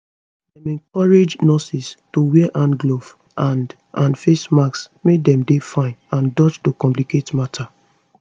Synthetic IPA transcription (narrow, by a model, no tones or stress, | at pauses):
dɛmɛ̃ŋkɔɹed͡ʒnɔsistowɛʔãnɡlov | ʔãnd | ʔãnfesmaks | medɛ̃mdefãɪ̃nãndɔt͡ʃtokɔ̃mp̬liketmatʰa